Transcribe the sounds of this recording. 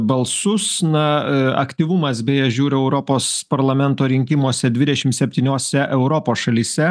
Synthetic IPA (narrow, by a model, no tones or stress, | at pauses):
bɐlˠsʊsnɐɐ̰kt̪ʲiːʋʊmɐsbʲɛːjɛʒʲuːɾʲʊɛʊɾopoːspɐɾlˠɐmʲɛnt̪oːɾʲɪŋʲkʲɪmoːsʲɛd̪ʲʋʲɪd̪ʲɛʃʲɪmt̪sʲɛpʲt̪ʲiːnʲoːsʲɛʔɛʊɾopoːsʃɐlʲiːsʲɛ